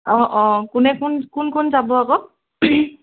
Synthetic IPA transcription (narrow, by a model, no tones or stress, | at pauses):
ɔ̃ʔɔ̃kʊnɛkʰʊnkunkʰʊnzabɔakɔ